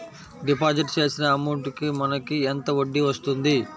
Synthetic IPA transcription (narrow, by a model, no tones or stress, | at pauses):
ɖipaːd͡ʒiʈt͡ʃe̞ːsinɐːmɐʈkimɐnɐkient̪ɐoɖːiʋɐst̪und̪i